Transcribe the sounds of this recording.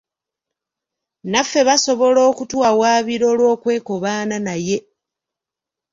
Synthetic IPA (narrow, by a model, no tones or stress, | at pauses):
nafːe̞βaso̞βo̞lo̞ːkutwaːwaːβiɾo̞ːlwo̞ːkwe̞ːko̞βaːnanaje̞